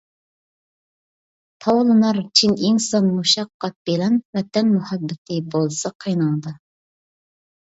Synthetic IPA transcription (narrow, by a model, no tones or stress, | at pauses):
t̪ʰɑwlˠɨnɑɾt͡ʃʰiniŋsɑnmuʃɑqːɑt̪̚b̥elɛnvɛt̪ʰɛnmuhɑbːɪt̪ʰɪbolˠsɑqʰəjnɑnd̪ɑ